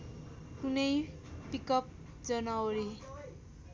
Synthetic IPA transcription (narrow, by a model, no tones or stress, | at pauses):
kunʌj | pikʌp̚ | d͡zʌnawɾi